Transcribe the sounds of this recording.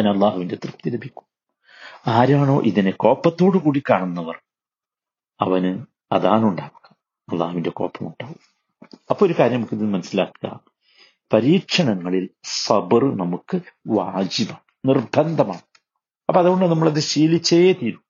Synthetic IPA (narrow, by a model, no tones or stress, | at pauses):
ɐɐnɐlːaːhuʋinde̞t̪rɨpt̪ilɐbʱikʲːu̥m | aːɾaːɳo̞ːʔiðineko̞ːpːɐt̪ːo̞ːɽɨkuːɽikaːɳunːɐʋɐr | ɐʋɐnɨ | ɐ̰ðaːnuɳɖaːʋuɣɐ | ɐlˠːaːhuʋinde̞ko̞ːpːɐmuɳɖaːʋu | ɐpːoːoɾukaːɾjɐmnɐmukːiðinmɐnɐsːilaːkːɨɣɐ̰ | pɐɾiːkʂɐɳɐŋːɐɭilsɐbrnɐmukːɨʋaːd͡ʑibaːɳɨnirbʱɐnd̪ʱɐmaːɳɨ | ɐpːoːɐðuɣoɳɖɨnɐmːɐɭɐðɨɕiːlit͡ɕːɐjeːt̪iːɾu